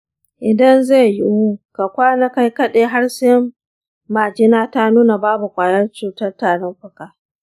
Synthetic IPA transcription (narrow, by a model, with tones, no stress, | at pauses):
ʔɪ˨dɐ˦nzeː˦˨jɪ˦wu˦ka˨kʷaː˦na˦ka˦jkɐ˦ɗeː˨ɦa˦rsɪ˦mː | aː˨d͡ʒɪ˦naː˦ta˦nuː˦na˨baː˦bu˨kʷʼaː˨nɐ˦rt͡ʃuː˨tɐ˦rtaː˨ɽɔ˦mɸʊ˦kaː˨